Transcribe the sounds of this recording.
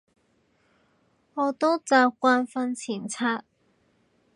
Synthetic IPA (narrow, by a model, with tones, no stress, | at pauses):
ŋɔː˨˧t̪o˥t͡saː˧p̚kʷaː˧nfɐ˧nt͡sʰiː˨˩nt͡sʰaː˧t̚